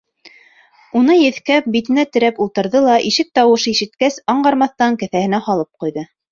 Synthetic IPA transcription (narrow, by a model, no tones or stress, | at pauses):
unɤjɘ̆θkæp̚bit̪ɘ̆næt̪ɘ̆ɾæpulˠt̪ɤ̆ɾðɤlˠɑʔiʃɘk̚t̪ɑwɤ̆ʃɤiʃɘ̆t̪kæsɑɴɢɑɾmɑθt̪ɑŋkæ̆θæhɘ̆næhɑlˠɤp̚qujðɤ